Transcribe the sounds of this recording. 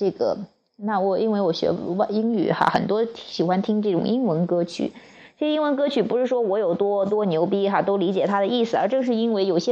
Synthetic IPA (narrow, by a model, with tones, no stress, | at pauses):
ʈ͡ʂɤ˥˩ɡə̰˩ | na˥˩wɔ˨˩i˥nwe˥˩ɪwɔ˧˥ɕɥɛ̰˧˥wa˥˧˩i˥ŋy̰˨˩xa̰˥xə˨˩nt̪wɔ˥ɕi˨˩xwa˥nt̪ʰi˥ŋʈ͡ʂɤ˥˩ʈ͡ʂʊ̰˨˩ŋʔi˥ŋwə˧˥nkɤ˥t͡ɕʰy̰˧˥ | ɤ˥˩˧i˥ŋwə˧˥nkɤ˥t͡ɕʰy˧˥˩pu˧˥ʂɻ̩˥˩ʂwɔ˥wɔ˧˥jo˨˩ʊt̪wɔ˥t̪̬wɔ˥njo˧˥ʊp̬i˥xa˥˧t̪o˥ʊli˧˥t͡ɕjɛ˨˩t̪ʰa˥d̪ə˨i˥˩sɹ̩˨˩ə˞˧˥ʈ͡ʂɤ˥˧ʂɻ̩˥˩i˥nwe˥˩ɪjo˨˩ʊɕjɛ˥